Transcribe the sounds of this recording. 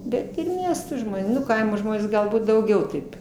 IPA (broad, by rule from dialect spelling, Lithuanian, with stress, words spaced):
ˈbʲɛt ɪr ˈmʲiɛstoː ˈʒmoːnʲeː ˈnʊ ˈkɐɪmoː ˈʒmoːnʲeːs ɡɐlˠˈbuːt dɐʊˈɡʲɛʊ tɐɪp